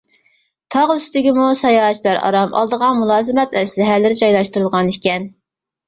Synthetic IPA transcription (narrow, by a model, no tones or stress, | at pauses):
t̪ʰɑʁyst̪ɪɡʲimusɑjɑːt͡ʃlˠɑɾɑ̰ɾɑmʔɑ̰lˠd̪əʁɑnmulˠɑːzɨmɛt̪ʰɛslɪɦælːɪɾɪd͡ʒɑjlˠɑʃt̪uɾɨlˠʁɑnekʲʰɛn